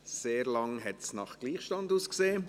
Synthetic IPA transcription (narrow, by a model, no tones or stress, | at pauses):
seːɾlɑŋɦɛtsnɑχɡ̥liːχʃtɑnduːskseː